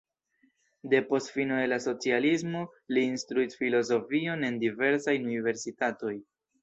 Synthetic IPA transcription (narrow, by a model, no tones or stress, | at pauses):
de̞po̞stfinode̞laso̞t͡sializmo̞liːnstɾuisfilo̞zo̞fio̞ne̞ndive̞ɾsajnunive̞ɾsitato̞j